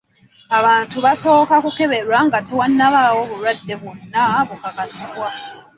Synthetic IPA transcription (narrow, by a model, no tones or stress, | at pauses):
aβaːntuβaso̞ːkakuke̞βe̞ɾwaŋɡatewanːaβawo̞βuɾwadːe̞βunːaβukakasiβwa